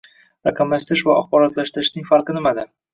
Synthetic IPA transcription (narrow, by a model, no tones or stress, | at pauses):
ɾaqʰɑmlaʃt̪ɪɾɪʃvaɒ̰χbɒɾɒt̪laʃt̪ɪɾɪʃnɪŋfaɾqɨnɪmad̪a